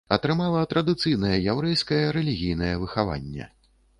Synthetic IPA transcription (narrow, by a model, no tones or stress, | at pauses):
ɐt̪ɾɨmalˠɐt̪ɾɐd̪ɨt̪sɨjn̪ɐjɐjawɾɛjskɐjɐɾɛlʲiɣʲijn̪ɐjɛvɨxava̰nʲːɛ̰